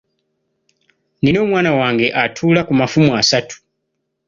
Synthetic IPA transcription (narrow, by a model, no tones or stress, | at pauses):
nino̞ːmwaːnawaːŋɡe̞ʔatʰuːlakumafumuasatu̥